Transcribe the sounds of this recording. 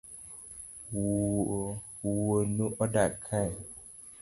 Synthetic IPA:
w | wuwonũʔɔdakʰaj

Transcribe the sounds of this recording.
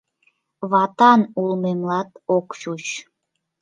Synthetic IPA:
βɑt̪ɑnulˠmemlɑt̪okʃut͡ɕ

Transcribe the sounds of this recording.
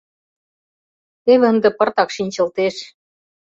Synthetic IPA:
t̪eβĕə̆nd̪ĕpɤ̆rt̪ɑkʃinʲt͡ɕɤ̆lt̪eʃ

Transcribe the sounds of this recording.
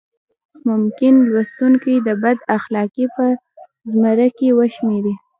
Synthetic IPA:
mʊmkɪnlwast̪uŋkijd̪əbad̪axlɑkipə | zmaɾakiwəʃmeɾi

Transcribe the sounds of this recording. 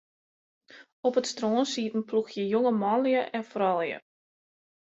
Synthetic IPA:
ɔpətstroːnsiːtn̩pluxjəjoŋəmɑnljəʔɛnfrɔlˠjə̰

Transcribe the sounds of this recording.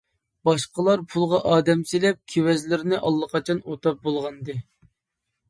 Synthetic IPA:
bɑʃqəlˠɑɾpʰulˠʁɑʔɑːd̪ɛmselɛp̚kʲʰewɛzlɪɾɪnɪʔɑlˠːqʰɑt͡ʃʰɑnot̪ʰɑp̚bolˠʁɑnɨd̪ɨ

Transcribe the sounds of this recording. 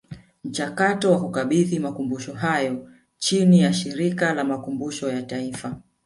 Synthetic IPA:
m̩t͡ʃakatɔwakukaɓiðimakumbuʃɔɦajɔ | t͡ʃinijaʃiɾikalamakumbuʃɔjataifa

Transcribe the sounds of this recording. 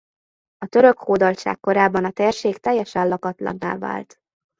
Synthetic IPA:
ɒt̪øɾø̞khoːd̪ɒlt͡ʃa̰ːkːo̞ɾaːbːɒnɒt̪eːrʃeːkt̪ɛjːɛʃɛlɒkɒt̪lɒ̰nːa̰ːlva̰ːlt̪

